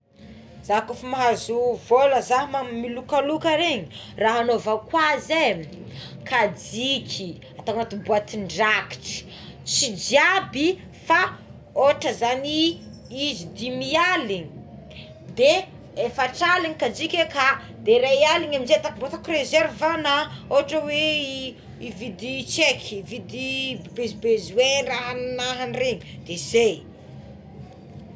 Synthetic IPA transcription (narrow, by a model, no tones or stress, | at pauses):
z̥akufumaɦazuvoləzaɦimammilukalukaɾeɲiraɦanovakwaze | kʰad͡ʒikʲʰi | at̪aŋat̪ubuat̪iɳɖ͡ʐaki̥ʈ͡ʂə̥ | t͡sid͡ʒiabi | fa | oʈ͡ʂəzani | izid̪imialiɲi̥ | d̪e | efaʈ͡ʂaliɲikad͡ʒikʲeka | d̪eɾaialiɲaminzet̪akibot̪akrezɛɾvanaoɦaʈ͡ʂəwe | ivid̪it͡ʃekʰʲivid̪ibezibezueraɦannaɦanreŋi̥d̪̥ezej